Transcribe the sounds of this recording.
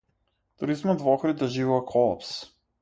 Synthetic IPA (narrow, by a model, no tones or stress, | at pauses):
t̪uɾizmad̪vɔxɾiaʒivɔakʰɔlˠa̰ps